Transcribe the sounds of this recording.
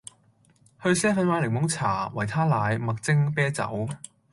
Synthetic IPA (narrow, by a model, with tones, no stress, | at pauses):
hɵ˧ɥsɛː˥fɐ˨˥nwaː˨˧˥lɪ˨˩ŋ̚mʊ˨˥ŋt͡sʰa̰ː˨˩wɐ˨˩jt̪ʰaː˥laː˨˧jmɐ˨k̚t͡sɪ˥ŋpɛː˥t͡sɐ̰˨˥w